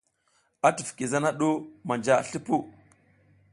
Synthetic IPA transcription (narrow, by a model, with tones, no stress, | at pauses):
a˦tu˨fki˨za˦na˦ɗo˦ma˨nd͡ʒa˦˨ɬi˦pu˦˨